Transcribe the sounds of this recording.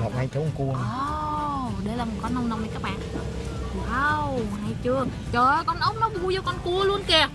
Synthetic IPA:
ŋɔ̰˨˩p̚na˧jt͡ɕo˨˦˨ku˧ə˨ə | ɗə˧jlaː˨˩mə˨˩t̚kɔ˨˧˦nːə˧wŋ͡mna˧wŋ͡mna˧jkaː˦˥k̚ɓa̰ː˧˨n˨˩˨ | waː˧wha˧jt͡ɕɨ˧ə | t͡ɕəː˨˩˨jkɔ˧nʔə˨˦˥wŋ͡m̚nɔ˨˦ɓu˧zɔː˧kɔ˧nku˧əlu˧ənkɛ˧˩

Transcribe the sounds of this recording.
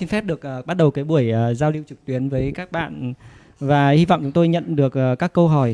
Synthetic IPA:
i˧nfɛ˦˥p̚ɗɨ˨˩ək̚ʔːɓa˦˥t̚ɗə˨˩wkaː˨˦jɓu˧˩əjʔəː˨˩zaː˧wli˧əwt͡ɕɨ˨˩k̚t̪wi˨˦ənvəː˨˦jkaː˦˥k̚ɓa̰ː˧˨n | vaː˨˩hi˧vɔ̰˧˨wŋ͡mt͡ɕʊ˨˦ŋ͡mt̪o˧jɲə̰˧˨nɗɨ˨˩ək̚ʔːkːaː˦˥kːə˧wɦɔ˧˩j

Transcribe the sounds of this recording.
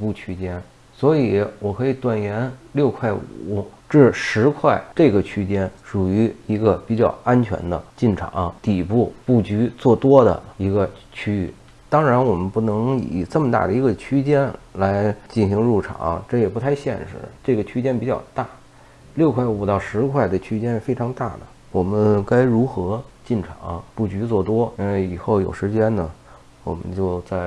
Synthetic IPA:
pu˥˩t͡ɕʰy˥t͡ɕjɛ˥n | swɔ˧˥i˨˩˦wɔ˨˩kʰɤ˧˥i˨˩t̪wa˨˩njɛ˧˥nljo˥˧ʊkʰwa˥˩ɪṵ˨˩˦ʈ͡ʂɻ̩˥˩ʂɻ̩˧˥kʰwa˥˩ɪʈ͡ʂɤ˥˩ɡə˩t͡ɕʰy˥t͡ɕjɛ˥nʂu˨˩y˧˥i˧˥ɡə˧pi˨˩t͡ɕjɑ˥˩ʊa˥nt͡ɕʰɥɛ̰˧˥nd̪ə̰˧t͡ɕi˥˩nʈ͡ʂʰɑ̰˨˩˦ŋt̪i˨˩pu˥˩pu˥˩t͡ɕy˧˥t͡swɔ˥˩t̪wɔ˥d̪ə̰˨i˧˥ɡə˧t͡ɕʰy˥y̰˥˩ | t̪ɑ˥ŋɻa˧˥nwɔ˨˩mə˦npu˥˩nɤ˧˥ŋḭ˨˩ʈ͡ʂə˥˩mə˩t̪a̰˥˩d̪ə˩i˧˥ɡə˧t͡ɕʰy˥t͡ɕjɛ˥nla˧˥ɪt͡ɕi˥˩nɕi˧˥ŋɻu˥˩ʈ͡ʂʰɑ̰˨˩˦ŋ˧ʈ͡ʂɤ˥˩jɛ˨˩pu˧˥t̪ʰa˥˧ɪɕjɛ˥˧nʂɻ̩˥˩d̪ə̰˩ʈ͡ʂɤ˥˩ɡə˩t͡ɕʰy˥t͡ɕjɛ˥npi˨˩t͡ɕjɑ˥˩ʊt̪a˥˩ | ljo˥˧ʊkʰwa˥˩ɪu˨˩t̪ɑ˥˩ʊʂɻ̩˧˥kʰwa˥˩ɪd̪ə˩t͡ɕʰy˥t͡ɕjɛ˥nfe˥ɪʈ͡ʂʰɑ˧˥ŋt̪a˥˩d̪ə̰˩ | wɔ˨˩mə˦nka˥ɪɻu˧˥xɤ˧˥t͡ɕi˥˩nʈ͡ʂʰɑ̰˨˩˦ŋɐ˧pu˥˩t͡ɕy˧˥t͡swɔ˥˩t̪wɔ˥i˥nwe˥˩ɪi˨˩xo˥˩ʊjo˨˩ʊʂɻ̩˧˥t͡ɕjɛ˥nnə˨ | wɔ̰˨˩mə̰˦nt͡ɕjo˥˧ʊt͡sa˥˩ɪ

